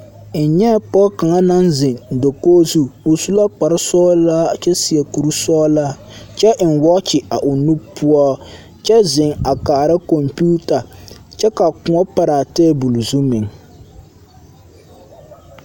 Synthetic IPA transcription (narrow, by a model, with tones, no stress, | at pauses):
n̩˨ɲɛ˦pɔ˦ka˨ŋa˦na˦nzɪ˨ndo˨koː˦zu˦o˨su˦la˦k͡pa˨ɾɪ˦sɔː˦la˦˨t͡ʃɛ˦si˨ɛ˨ku˨ɾu˦sɔː˦la˦ | t͡ʃɛ˦ʔn̩˨wɔ˦t͡ʃɪ˨a˨ʔʊ˨nu˦pʰu˦ɔ˦ | t͡ʃɛ˦zɪ˨ŋa˨kaː˨ɾa˦ko˨mpuː˦ta˨t͡ʃɛ˦ka˨kʊ̃˨˦ɔ˦pa˦ɾaː˨tɛː˦bu˨lzu˦mɪ˨ŋ